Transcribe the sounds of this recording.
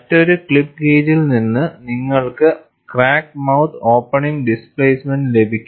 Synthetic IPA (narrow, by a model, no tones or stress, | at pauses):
ɐtːo̞ɾukɭipːkeːd͡ʑilninːɨniŋːɐɭkɨ | kraːkmɐwt̪ʰo̞ːpːɐɳiŋɡɖispɭeːsmenɖle̞bʱikʲːu